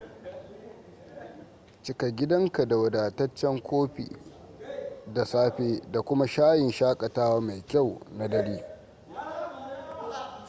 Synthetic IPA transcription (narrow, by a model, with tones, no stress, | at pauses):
t͡ʃɪ˦ka˨ɡʲɪ˦dɐ˦ŋka˨da˨wɐ˨daː˨tɐ˦t͡ʃːɛ˦ŋkʷoː˦ɸḭː˨ | da˨saː˦ɸeː˦da˨kʷʊ˦ma˦ʃaː˦jɪ˨nʃaː˦kʼɐ˨taː˦waː˦ma˨jkʲa˦˨wna˦dɐ˦ɽiː˦